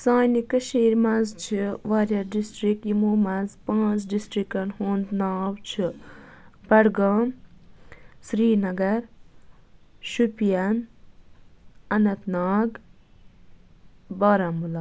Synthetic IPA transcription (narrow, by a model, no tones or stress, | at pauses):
saːjnikɐʃiːɾmazt͡ʃʰiʋaːɾjɐɾɖisʈɾikimoːmazpãːt͡sɖisʈɾikɐnhuːnd̪naːwt͡ʃʰi | bɐɽɡaːm | sɾiːnɐɡɐɾ | ʃupijɐn | ɐnɐt̪naːɡ | baːɾamula